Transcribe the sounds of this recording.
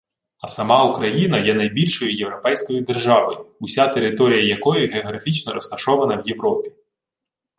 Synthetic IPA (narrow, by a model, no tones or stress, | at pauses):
ɐsɐmɑukɾɐjinɐjɛnɐjbʲilʲʃɔjʊjewɾɔpɛjsʲkɔjʊd̪e̞rʒɑʋɔjʊʊsʲat̪e̞ɾɪt̪ɔɾʲijɐjɐkɔjʊɦeɔɦɾɐfʲit͡ʃnɔɾɔst̪ɐʃɔʋɐnɐwje̞wɾɔpʲi̥